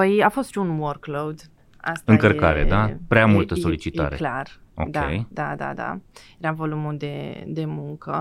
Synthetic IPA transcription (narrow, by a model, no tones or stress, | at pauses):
pəjafo̞st̪ʃiunworklowd̪ | a̰st̪ɨŋkərkaɾed̪apɾeamult̪əso̞lit͡ʃit̪a̰ɾeklaro̰d̪ʲḛjjd̪ad̪a̰d̪a̰jeɾavo̞lumuld̪e̞d̪e̞muŋkə